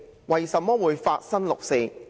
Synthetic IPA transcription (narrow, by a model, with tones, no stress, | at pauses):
wɐ˨˩jsɐ˨mːɔː˥wuː˨˧jfaː˧t̚sɐ˥nlʊ˨k̚se˨˧